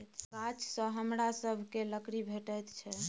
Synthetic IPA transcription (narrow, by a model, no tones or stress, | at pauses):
kat͡ʃsə̃ɦəmɾasəbʱkeləkɾibʱeʈət̪t͡ʃʰɛ